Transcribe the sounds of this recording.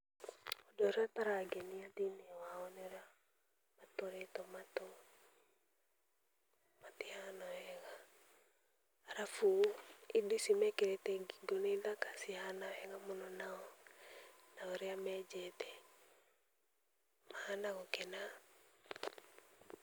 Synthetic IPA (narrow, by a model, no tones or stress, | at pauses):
ɔdɔɾɛataɾaɡɛniadinɛwaɔnɛɔɾa | matoɾɛtɔmatɔ | matihanaɛɣa | aɾafuidisimɛkɛɾɛtɛɡiɡoniðakasihanaɛɣamɔnɔnaɔ | naɔɾɛamɛd͡ʒɛtɛ | mahanaɣɔkɛna